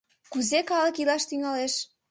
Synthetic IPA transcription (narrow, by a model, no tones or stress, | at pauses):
kuzekɑlə̆kilɑʃt̪yŋɑleʃ